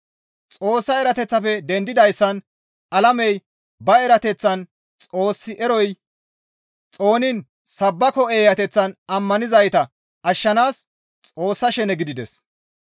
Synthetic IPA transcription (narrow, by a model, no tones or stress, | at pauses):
t͡sʼo̞ːsːɐɛɾɐt̪ɛt͡sːɐfɛd̪ɛnd̪ɪd̪ɐjsːɐn | ɐlɐmɛj | bɐɛɾɐt̪ɛt͡sːɐn | t͡sʼo̞ːsːɪʔɛɾɔj | t͡sʼo̞ːnɪn | sɐbːɐkɔeːjɐt̪ɛt͡sːɐnɐmːɐnɪzɐjt̪ɐ | ʔɐʃːɐnaːs | t͡sʼo̞ːsːɐʃɛnɛɡɪd̪ɪd̪ɛ̰s